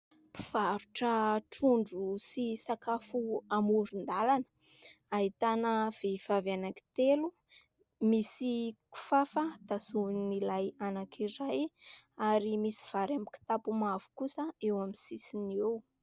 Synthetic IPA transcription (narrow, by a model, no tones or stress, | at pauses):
pi̥v̥aɾuʈ͡ʂəʈ͡ʂuɳɖ͡ʐusisakafuamuɾind̪alanə̥ | ait̪anəv̥ev̥avanaki̥t̪elu | misiku̥fafəd̪̥azunilajanakʰiɾajaɾimisi̥v̥aɾamiki̥t̪apumavu̥kusəewamisisinew